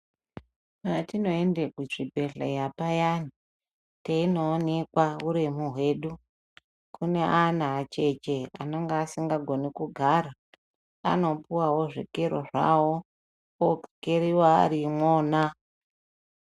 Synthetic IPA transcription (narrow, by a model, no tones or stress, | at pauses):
maatino̞endekut͡ʂibʱe̞ɮa̰japajani | teino̞ːnekwauɾemuɦwe̞ːɗu | kʰune̞ʔanaːt͡ʃe̞t͡ʃea̰no̞ŋɡaːsiŋɡaɡʱo̞nikuɡʱaɾa | a̰no̞puwawo̞ʐḭkeɾo̰ʐa̰wo̞ | okeɾiwa̰ːɾimwoːna